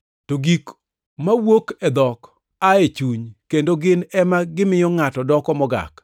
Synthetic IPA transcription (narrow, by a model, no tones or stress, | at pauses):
toɡik | mawokɛd̪ɔk | aet͡ʃuɲkendoɡɪnɛmaɡɪmɪjɔŋatɔdɔkɔmɔɡa̰k